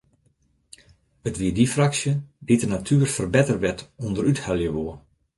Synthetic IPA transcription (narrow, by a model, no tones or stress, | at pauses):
ʋətʋiədifraksjəditənatʰyːərfərbɛtərʋɛtundəɾythaljəʋoə